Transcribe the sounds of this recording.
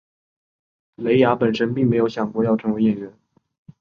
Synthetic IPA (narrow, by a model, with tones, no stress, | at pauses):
le˧˥ɪja˧˥pə˨˩nʂə˥npi˥˩ŋme˧˥ɪjo˧˥ʊɕjɑ˨˩ŋkwɔ˥˦jɑ˥˩ʊʈ͡ʂʰɤ˧˥ŋwe˧˥ɪjɛ˨˩nɥɛ˧˥n